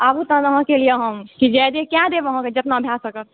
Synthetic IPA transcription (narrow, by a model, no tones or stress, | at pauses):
abut̪ãd̪əɦãkelieɦəmkid͡ʒɛd̪ekjãd̪eʋəɦãked͡ʒət̪naəbʱjasəkət̪